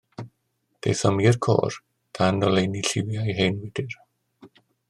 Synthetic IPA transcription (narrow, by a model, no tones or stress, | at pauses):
d̥ḛjθɔmirkʰo̰ːr | d̥anːɔlejniɬɪwjajɦenwɪdɪr